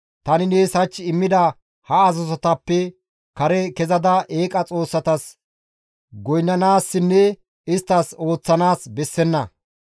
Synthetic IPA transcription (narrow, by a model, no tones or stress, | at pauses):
t̪ɐnɪneːsɐt͡ʃːɪmːɪd̪ɐ | hɐːzɔsɔt̪ɐpːɛ | kɐɾɛkɛzɐd̪ɐʔe̞ːkʼɐt͡sʼo̞ːsːɐt̪ɐs | ɡɔjnːɐnaːsːɪnːɛ | ɪst̪ːɐso̞ːt͡sːɐnaːsbɛsːɛnːɐ̰